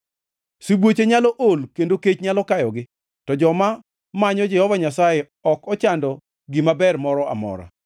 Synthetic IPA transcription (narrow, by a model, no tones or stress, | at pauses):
sibwot͡ʃeɲalɔʔolkendoket͡ʃɲalɔkajɔɡɪ | tɔd͡ʒɔma | maɲɔd͡ʒɛhɔvaɲasaje | ɔkɔt͡ʃandɔ | ɡimabɛrmɔɾɔa̰mɔ̰ɾa̰